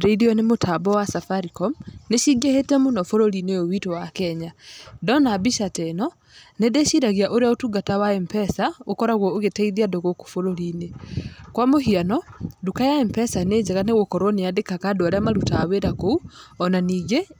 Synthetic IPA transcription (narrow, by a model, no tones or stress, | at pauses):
ɾeidiɔnemotʰabɔwasafaɾikɔmneʃiɡehetɛmonɔfoɾoɾineowitowakɛɲadɔnabiʃatɛnɔ | nedeʃiɾaɣiaʔoɾeaotuɡatawaɛmpɛsaokɔɾaɣwɔoɣetaiðiadoɣoko̥foɾoɾinekwamoɦianɔdukajaɛmpɛsaned͡ʑɛɣaneɣokɔɾwɔneadekakadoaɾeamaɾutaːweɾakouɔnaniːŋɡe